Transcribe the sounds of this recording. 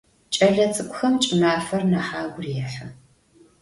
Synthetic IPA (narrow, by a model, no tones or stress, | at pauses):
t͡ʃʼɐɮɐt͡sʼɨkʷʼʊxɐmt͡ʃʼɪnaːfɐrnaħaːɡʷʊrjɛħɐ